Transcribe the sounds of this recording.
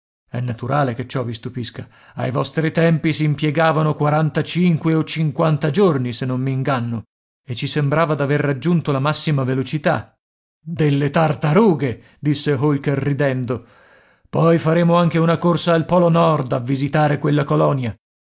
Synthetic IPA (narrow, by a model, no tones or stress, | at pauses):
ɛnːat̪uɾaːleket͡ʃːɔvist̪upiska | a̰jvɔst̪ɾit̪ɛmpisiːmpjɛɡaːvanokwaɾant̪at͡ʃiŋkweot͡ʃiŋkwant̪ad͡ʒornisenːommiːŋɡanːo | et͡ʃːisembɾaːvad̪averːad͡ʒːunt̪olamasːimavelot͡ʃit̪a̰ | d̪elːet̪art̪aɾuːɡe | d̪isːeɦolkerːid̪ɛnd̪o | pɔjfaɾeːmoaŋk̟eunakorsaalpɔːlonɔrd̪avːizit̪aːɾekwelːakolɔnja